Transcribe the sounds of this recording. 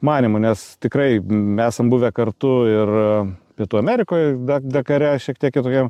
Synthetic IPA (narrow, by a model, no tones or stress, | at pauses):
mɑːnʲimʊnʲɛst̪ʲɪkɾɐɪmʲæːsɐmbuːʋʲɛkɐrt̪ʊɪrpʲiɛt̪uːɐmʲæːɾʲɪkoːjd̪ɐd̪ɐkɐɾʲɛʃʲiɛkt̪ʲiɛkɪt̪oːkʲɛm